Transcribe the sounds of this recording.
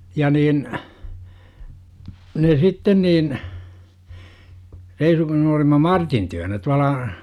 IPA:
jɑ niːn ne sitːen niːn reisukin olimɑ mɑrtin tyønæ tuɑlɑ

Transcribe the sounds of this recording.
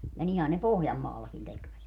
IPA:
jɑ nihæn ne pohjɑmːɑːlːɑkin tekʋæt

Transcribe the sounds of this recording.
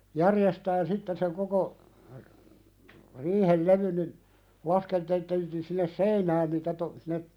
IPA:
jærjestæːn sitːen seŋ koko riːhel leʋyn nin lɑskeltelteltiːn sinːes seinæːn niːtæ to sinːe

